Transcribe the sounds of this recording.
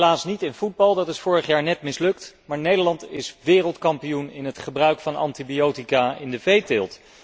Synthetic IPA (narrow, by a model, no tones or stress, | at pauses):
laːsnitɪnvud̚bɑlˠdɑtɪsfʊːɹəχjaːɹnɛtmɪslɵktmaːɹnejdəɹlɑntɪsʋɪːrəlˠtkɑmpijunɪnɦətχəbrœɥkfɑnɑ̰ntibiowtikaɪndəvejtɪːlˠt